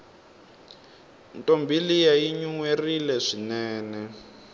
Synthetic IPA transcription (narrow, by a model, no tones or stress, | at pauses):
ntʼombilijajiɲuŋwerilɛʂinɛːnɛ